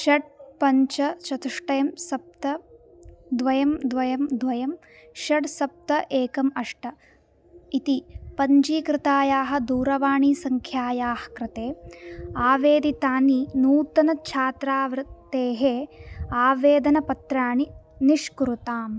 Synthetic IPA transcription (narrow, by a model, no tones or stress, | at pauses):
ʃɐɖ̚pɐɲt͡ʃɐt͡ʃɐt̪uʂʈɐjɐmsɐp̚t̪ɐ | d̪ʋɐjɐmd̪ʋɐjɐmd̪ʋɐjɐm | ʃɐɖsɐp̚t̪ɐʔeːkɐmɐʂʈɐ | it̪ipɐɲd͡ʒiːkɾɪt̪aːjaːɦɐ̆d̪uːɾɐʋaːɳisɐŋkʰjaːjaːhɐ̥kɾɪt̪eːaːʋeːd̪it̪aːninuːt̪ɐnɐt͡ʃʰaːt̪ɾaːʋɾɨt̪eːɦeːaːʋeːd̪ɐnɐpɐt̪ɾaːɳiniʂkuɾut̪aːm